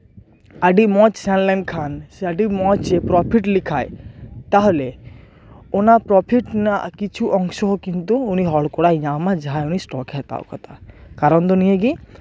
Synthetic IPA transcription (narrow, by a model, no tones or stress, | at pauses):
aɖimɔt͡ʃsɛnlɛnkʰansaɖimɔt͡ʃepɾɔpʰiʈlikʰajt̪aɦole | ɔnapɾɔpʰiʈna̰kit͡ʃʰuʔɔŋsɔɦɔkint̪uːniɦɔɽkɔɽajɲamad͡ʒaɦajunisʈɔkɛɦt̪a̰wkʰɔ̰t̪akaɾɔnd̪ɔnijeɡi